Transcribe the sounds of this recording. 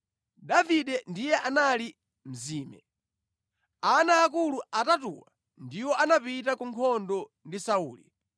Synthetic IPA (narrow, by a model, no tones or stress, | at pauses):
daviɗɛndijɛʔanali | m̩ziːmɛ̰ | anaːk̬uluatatuwa | ndiwɔʔanapitakuŋkʰɔndɔ | ndisauːli